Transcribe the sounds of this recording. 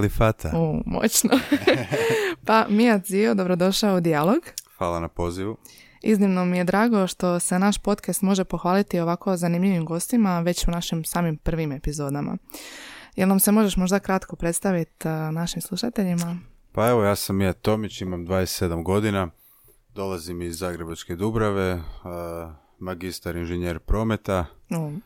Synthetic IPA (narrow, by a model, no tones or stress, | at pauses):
lifat̪ʰaumo̰t͡ɕno | pamijaziod̪o̞bɾo̞d̪o̞ʃaoud̪ialo̞ɡxʋaːlanapo̞ːziʋu | ḭznimno̞mije̞d̪ɾaːɡoʃt̪o̞senaʃpo̞t̪kast̪mo̞ʒe̞po̞xʋaːlit̪io̞ʋako̞zanimʎiʋimɡo̞st̪imaʋe̞t͡ɕunaʃimsaːmimpr̩ʋime̞pizo̞ːd̪ama̰ | jelnamse̞mo̞ʒe̞ʃmo̞ʒd̪akɾat̪kʰo̞pɾe̞t̪st̪aʋit̪naʃimslˠuʃat̪e̞ʎima | pae̞ʋojaːsamijat̪o̞mit͡ɕimamd̪ʋaːd̪est̪se̞d̪amɡo̞d̪ina | d̪o̞lazimizːaːɡɾebat͡ʃked̪ubɾaʋe | maɡist̪aɾinʒeɲeːɾpɾo̞ːmet̪a